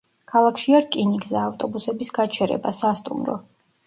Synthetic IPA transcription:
kʰalˠakʰʃiaɾkʼinikʼzɛaft̪ʼɔbusɛbisɡat͡ʃʰɛɾɛ̰basast̪ʼṵmɾɔ̰

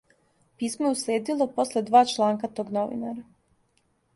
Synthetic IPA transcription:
piːsmojeuslʲeːd̪ilo̞po̞sle̞d̪ʋaːt͡ʃlˠaːŋkat̪o̞ːɡno̞ʋḭnaɾa

